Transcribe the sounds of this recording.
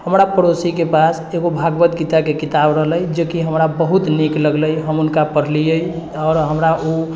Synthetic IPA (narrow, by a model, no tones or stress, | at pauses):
həmɾapəɾosikepas | eɡobʱaɡbət̪kit̪akekit̪abɾəɦləjd͡ʒekiɦəmɾabəɦut̪nikləɡləjɦəmunkapəɾ̤lijəj | ɔːɾɦəmɾau